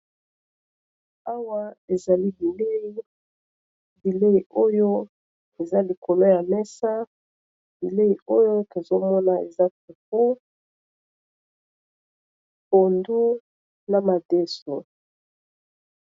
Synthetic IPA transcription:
a˦wa˦e˨za˨li˦bi˨le˦ | bi˨le˦i˨o˦jo˦ | e˨za˦li˨ko˨lo˦ja˨mɛ˦sa˦ | bi˨le˦i˨o˦jo˦to˨zo˦mɔ˦na˨e˨za˦tu˨fu˦ | bo˨ndu˦ | na˨ma˨de˦so˨

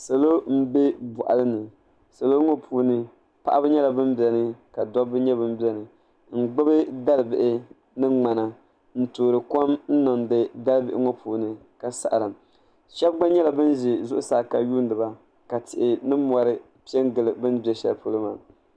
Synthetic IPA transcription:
sa˨lo˦m̩˦be˦bʊ˨ʔa̰˨lɨ˦nɨ˨ | sa˨lo˦ŋo˦pʰuː˦nɨ˦ | pa̰˨ʔa˦bɨ˦ɲɛ˦la˨bɨ˦mbɛ˨nɨ˦ka˨dɔ˦bɨ˦ɲɛ˦bɨ˦mbi˦ɛ˦nɨ˨ | m̩˦˨ɡ͡bɨ˦bɨ˦da˦lbɪ˨ʔɪ˦ | nɨ˦ŋ͡ma˨na˨ | n̩˦toː˨ɾɨ˨kɔ˦mn̩˦nɔ˨ndɨ˦da˦lbɪ˦ʔɪ̰˦ŋo˦pʰuː˨nɨ˨ | ka˨sa̰˨ʔa˨lɨ˨m | ʃɛ˦b̚ɡ͡ba˦ɲɛ˦la˨bɨ˦n˦ʒɪ˨zʊ˦ʔʊ˦saː˨˦˨ka˨juː˦n˦dɨ˨ba˨ | ka˨tɪ˨ʔɪ˨nɨ˦mɔ˨ɾɨ˦ | pi˦ɛ˦ŋɡɨ˨lɨ˨bɨ˦nbi˨ɛ˨ʃɛ˦lpo˦lɨ˦ma˨

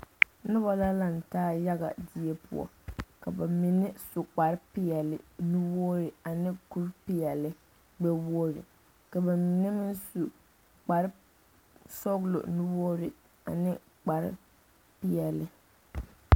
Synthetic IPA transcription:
nʊ˦ba˨la˦la˦n̩˨taː˦ja˦ɣa̰˨dɪ˦e˦pʊ̰˦ɔ̰˨ | ka˨ba˨mi˨nɪ˦su˨k͡pa˨ɾɪ˦pɪ˦jɛ˨lɪ̰˨nu˦boː˦ɾɪ˨a˨nɪ˦ku˦ɾpɪ˦jɛ˨lɪ˦ | ɡ͡bɛ˦bo˦ɾɪ̰˨ | ka˨ba˨mi˨nɪ˦mɪ˦nsu˨ | k͡pa˨ɾɪ˦ | sɔ˦ɣlo̰˨nu˦boː˦ɾɪ˨ | a̰˨nɪ˦ | k͡pa˨ɾɪ̰˦ | pɪ˦jɛ˨lɪ˨

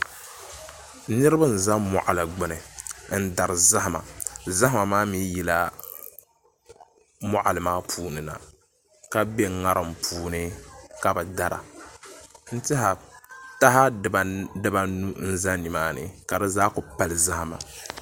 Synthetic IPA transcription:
nɨ˦ɾɨ˦ba˦n̩˨za˦mɔ̰˨ʔa˨la˨ɡ͡bɨ˦nɨ˨n̩˦da˨ɾɨ˨za˦ha˨ma̰˨za˦ha˦ma˨maː˦mi˦jɛ˦la˦ | mɔ˦ʔa˨lɨ˨maː˦pʰuː˦nɨ˨na̰˨ | ka˦be˦ŋa˦ɾɨ˨mpʰuː˦nɨ˦ka˨bɛ˨da˦ɾa̰˨ | n̩˦tɪ˦ɦa˨ta˦ɦa˦˨bdɨ˦ba˨nu˦n̩˦za˦ni˨maː˦nɨ̰˨ka˨dɨ˦zaː˦kʊ˨pa˨lɨ˨za˦ha˨ma̰˨

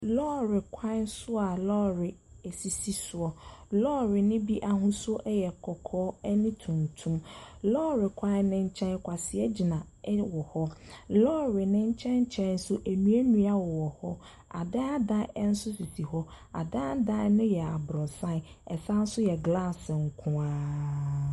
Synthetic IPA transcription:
lɔ˦ɾɪ˨kʷʰã˦sʊ˦a˨lɔː˦ɾɪ˨ | e˨si˨si˦sʊ˨ɔ˨lɔː˦ɾɪ˨nɪ̃˦bi˦ʔa˨ɦʊ̃˦sʊ˦ɔ˦ʔɛ˦jɛ˨kʰɔ˨kʰɔː˦ɛ˦nɪ̃˦tʰũ˨n˨tʰũ˦mlɔː˦ɾɪ˨kʰã˦nɪ̃˦ɲ̩˦t͡ɕʰɛ̃˦nkʷʰa˨sɪ˨ɛ˦d͡ʑi˨nã˨˦ | wɔ˨hɔ˦lɔː˦ɾɪ˨nɪ̃˦ɲ̩˦t͡ɕʰɛ̃˦ɲ̩˦t͡ɕʰɛ̃˦n̩˦sʊ˦ʔe˨nũ˨˦e˦nũ˦a˦wɔ˨wɔ˨hɔ̰˦ | a̰˨da˦a˦dã˦n̩˦sʊ˦si˨si˨ɦɔ˦ | a̰˨da˦a˦dã˦nʊ̃˦jɛ˨a˨bɾɔ˨sã˦˨ | ɛ˨sã˦n̩˦sʊ˦jɛ˨ɡla˦˨sŋ̩˨kʰʊ̃˦aː˦

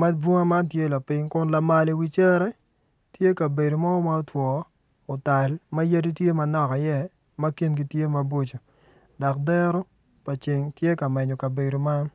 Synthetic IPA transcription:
ma˦bwo˦ŋa˦ma˦ntje˦la˨pɪ˦ŋkʊ˦nla˨ma˨li˨˦wi˦t͡ʃɛ˦ɾɛ˦ | tje˦ka˨be˨do˨ma˦ɔ˦ma˦o˦twɔ˨ | o˨ta˨lma˦ja˦di˦tje˦mɐ˨nɔ˦ka˨jɛ˦˨ | mɐ˦ki˦nɡi˦tje˦ma˨bwo˦t͡ʃo˨ | da˨k̚dɛ˦ɾo˦ | pa˨t͡ʃɪ˨ŋtje˦ka˨mɛ˨ɲo˨kɐ˨be˨do˨ma˦n

